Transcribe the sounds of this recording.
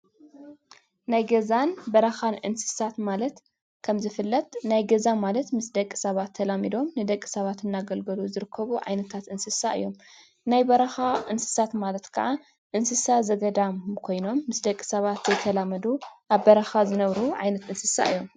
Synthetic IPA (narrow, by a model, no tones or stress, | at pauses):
najɡɐzanbɐɾɐxanʔɨ̰nsɨ̥sat̪malɐt̪ | kʰɐmzɨfɨlːɐt̪najɡɐzamalɐt̪mɨsd̪ɐkʼːi̥sɐβat̪ʰːɐlamid̪o̞mnɨd̪ɐkʼːi̥sɐβat̪ɨnːaɡɐlɡɐluzɨɾɨkʰːɐβuʕa̰jnɐt̪ʰat̪ʔɨnsɨsaɨ̰jːo̞m | najbɐɾɐxaʔɨnsɨ̥sat̪malɐt̪kʰa̰ʔa | ʔɨnsɨsazɐɡɐd̪amkʰo̞jno̞mːɨsd̪ɐkʼːi̥sɐβat̪zɐjt̪ʰːɐlamɐd̪uʔaβbɐɾɐxazɨnɐβɾuʕa̰jnɐt̪ɨnsɨsa̰ɨjːo̞m